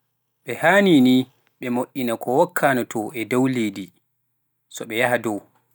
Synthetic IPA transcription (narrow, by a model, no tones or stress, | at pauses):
ɓɛhaːnini | ɓɛmoʔːinakʰɔwɔkʰːanatʰɔɛdawleːdi | sɔɓɛjahadɔw